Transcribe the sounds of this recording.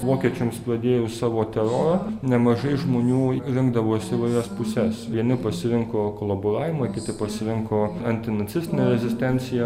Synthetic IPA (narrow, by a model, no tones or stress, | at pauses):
ʋoːkʲiɛt͡ʃʲʊmspɾɐd̪ʲeːjʊsɑːʋoːt̪ʲɛɾoːɾɐnʲɛmɐʒɐɪʒmoːnʲuːɾʲɪŋɡd̪ɐʋoːɪsʲiʋɐɪɾʲɛspʊsʲɛsʋʲiɛnʲɪpɐsʲɪɾʲɪŋkoːkoːlˠɐboːɾɑːʋʲɪmɐɪkʲɪt̪ʲɪpɐsʲɪɾʲɪŋkoːɐnʲt̪ʲɪnɐt̪sʲɪsʲt̪ʲɪnʲeːɾʲɛzʲɪsʲt̪ʲɛnʲt̪sʲɪjɛ